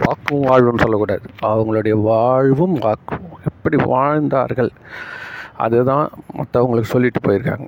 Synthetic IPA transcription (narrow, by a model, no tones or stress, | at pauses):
ʋaːkːɯʋaːɻʋɐmnɯsɔlːɐkːuːɽaːðɯɐʋɐŋɡɐɭɯɽɐjɐʋaːɻʋɯmʋaːkːɯɛpːɐɽiʋaːɻnd̪a̰ːɾɣɐɭ | ʔɐ̰ðɯt̪ãːmɐ̰t̪ːɐɐŋɡɐɭɯkːɯ̥sɔlːɪʈːɯpoːjɪɾɯkːa̰ːŋɡɐ